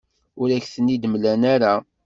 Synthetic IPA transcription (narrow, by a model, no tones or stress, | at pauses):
ʊɾæçθənːid̪mlænaɾa